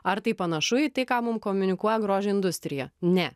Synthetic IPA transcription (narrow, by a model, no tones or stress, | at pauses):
ɐɾt̪ɐɪpɐnɐʃʊit̪ɐɪkɑːmʊmkomʲʊnʲɪkuɔjɛɡɾoːʒʲɛɪnd̪ʊsʲt̪ʲɾʲɪjɛnʲɛ